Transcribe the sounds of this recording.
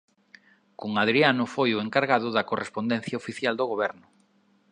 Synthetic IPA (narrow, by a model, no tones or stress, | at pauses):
koŋaðɾianʊfojʊeŋkaɾɣaðʊðɐkorespond̪en̟θjaofiθjald̪oɣoβ̞ɛɾnʊ